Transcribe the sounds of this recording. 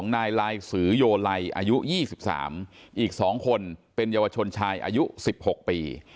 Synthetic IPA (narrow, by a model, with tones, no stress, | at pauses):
ŋnaː˧jlaː˧jsɯː˩˦joː˧la˧jʔa̰ː˧ju˦˥jiː˥˩si˨˩p̚sa̰ː˩˦mʔiː˨˩k̚sɔː˩˦ŋkʰo˧npe˧njaː˧wa˧t͡ɕʰo˧nt͡ɕʰaː˧jʔa̰˧ju˦˥si˨˩p̚ho˨˩k̚piː˧